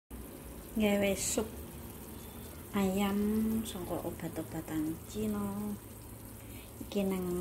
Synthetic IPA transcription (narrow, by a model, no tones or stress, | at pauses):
ŋɡewesʊp̚ | ajamsɔŋkɔ̰ʔob̥a̤t̪ɔb̥a̤t̪aŋt͡ʃinɔ | ikinɛŋ